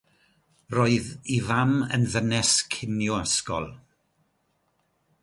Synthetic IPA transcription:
roːɨðivamə̰nðənɛskʰɪnjʊaskɔ̰lˠ

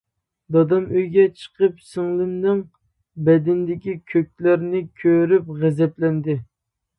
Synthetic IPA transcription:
d̪ɑd̪ɑmøjɡʲɛt͡ʃʰə̥qʰəpsɨŋlˠɪnːɨŋ | bɛd̪ɪnd̪ɪkʲikʲʰøk̚ʲlæɾnɪkʲʰøɾyp̚ʁɛzɛplɛnd̪ɪ

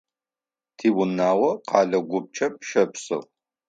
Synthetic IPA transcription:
tʰiːwʊnaːwɐqɑːɮɐɡʷʊp̚t͡ʃʰɐp̚ʃɐpsɨ̰ʁ

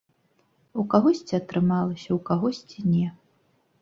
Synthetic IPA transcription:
ukaɣɔsʲt͡sʲiɐt̪ɾɨmalˠɐsʲɐwkaɣɔsʲt͡sʲinʲɛ

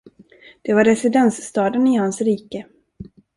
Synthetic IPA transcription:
d̪̥ɛvaɾɛsɪd̪ɛnsst̪ɑːd̪ənɪhansɾiːkə

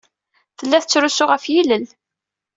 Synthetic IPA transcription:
θəlːæθət͡sːɾusʊʁəfjiləl

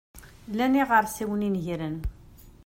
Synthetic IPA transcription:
læniʁəɾˤsiwəninʝiɾən

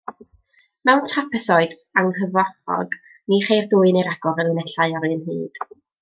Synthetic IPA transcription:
mɛwntʰrapʰɛθɔɨd | aŋɦəvɔχɔ̰ɡ | niχejrdʊːɨnejɾaɡ̥ɔɾənɨnɛɬaɨɔɾɨnhɨ̰ːd̥

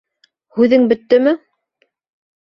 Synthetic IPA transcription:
hʉðɘŋbɵ̆t̪ːɵmɘ

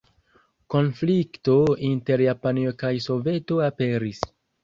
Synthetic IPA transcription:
ko̞nflikto̞inte̞ɾjapaniokajso̞ve̞to̞ape̞ɾis

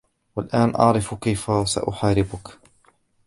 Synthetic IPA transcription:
walʔaːnʔɑ̰ʕɾɪfkajfasa̰ʔʊħaːɾɪbʊk

